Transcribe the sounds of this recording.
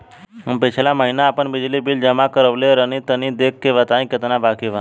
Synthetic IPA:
əpet͡ɕʰelaməɦinaːpəɳbid͡ʑlibild͡ʑəmakəɾəʋleɾənit̪ənid̪ekːeʋat̪aĩkət̪ənabakeʋa

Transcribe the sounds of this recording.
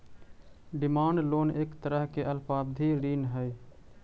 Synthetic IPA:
ɖɪmaːɳɖloːneːkt̪əɾəɦkeʔəlpaːb̚d̪ʱiːɾiːnɦəi

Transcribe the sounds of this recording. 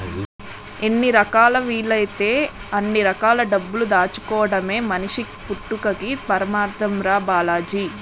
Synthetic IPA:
enːiɾɐkaːlɐʋiːɭɐjt̪e̞ːɐnːiɾɐkaːlɐɖɐbːulud̪aːt͡ʃu̥kɔːʋɐɽɐme̞ːmɐniʂi | puʈːukɐkipɐɾɐmaːɾt̪ɐmɾaːbaːlaːd͡ʒi

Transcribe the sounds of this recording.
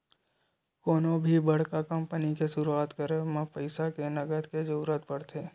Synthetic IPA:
koːnõbʱibɐɽ̤kakɐ̃mpənikesʊɾuaːt̪kəɾemãpəɪsakenɐɡəd̪ked͡ʒɐɾuːɾət̪̚pɐɽ̤t̪ʰeː

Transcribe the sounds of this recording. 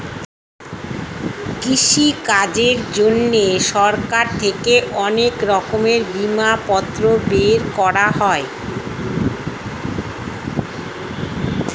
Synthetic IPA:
kiʃikad͡ʑeɾd͡ʑonːeʃɔɾkaɾt̪ʰekeʔɔnekɾɔkomeɾbimapɔt̪ːɾobeɾkɔɾaɦɔe

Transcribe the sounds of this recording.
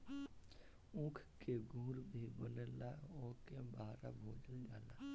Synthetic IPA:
ʊ̃kʰkeɡʱũːɾbʱibənəlaoːkebaːɾa̰bʱoːd͡ʒəld͡ʒaːlaː

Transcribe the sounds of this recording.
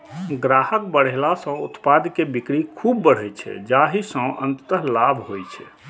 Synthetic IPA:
ɡɾahək̚bəɽ̤elasə̃ut̪pad̪kebikɽikʰubːəɽ̤ɛt͡ʃʰɛ̰d͡ʒaɦisə̃ʔə̰nt̪ət̪əɦlabʱɦojt͡ʃʰɛ̰

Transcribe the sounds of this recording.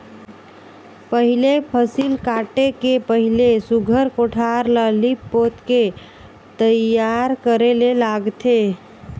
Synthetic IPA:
pəɦilepʰəsilkaʈekepəɦilesuɡʱəɾkoʈʰaɾləlipːot̪ke | t̪əjaɾkəɾelelaɡt̪ʰe

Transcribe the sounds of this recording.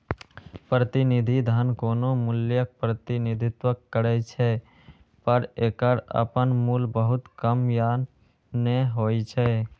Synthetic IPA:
pɾət̪ɪnɪd̪ʱid̪ʱaːnkoːnomʊljək̚pɾət̪ɪnɪd̪ʱɪt̪wəkːəɾɛt͡ʃʰɛ | pəɾeːkəɾə̰pənmuːlbəɦʊt̪kəmjaːn | neɦoːit͡ʃʰɛ

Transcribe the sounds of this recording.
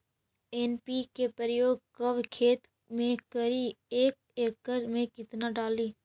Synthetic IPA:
eːnpikepəɾəjoːɡ̚kəʋkʰeːt̪ | mẽkəɾieːk̚ | eːkːəɾmẽkɪt̪naɖaːliː

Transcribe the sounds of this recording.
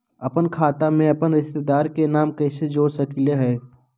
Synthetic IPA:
ɐpənkʰaːt̪amẽɐpənɾɪʃt̪ed̪aːɾkenaːmkɛːsed͡ʒoːɾsɐkleɦɛː

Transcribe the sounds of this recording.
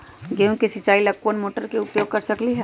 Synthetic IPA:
ɡeũkesɪt͡ʃaːilɐkuənmoːʈəɾkeʊpjoːɡ̚kɐɾsɐkliɦɛ

